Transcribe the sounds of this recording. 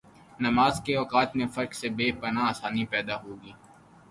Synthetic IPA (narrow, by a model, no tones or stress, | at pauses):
nɐmaːzkeɔːqaːt̪mẽfɐɾksebeːpɐnaːsaːnipɛːd̪aɦoːɡiː